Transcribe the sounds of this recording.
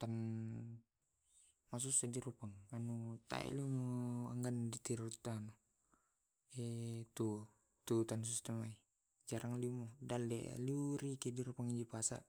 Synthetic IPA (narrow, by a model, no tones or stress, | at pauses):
t̪an | mas̬usɛdiɾupaŋanut̪a̰ɛ̰limuaŋɡandit̪iɾut̪anu | ɛt̪u | t̪ut̪ans̬ist̪ɛmai | d͡ʒaɾʔaŋlimɔdalɛ̰luɾikɛdiɾupaŋid͡ʒipasa̰ʔ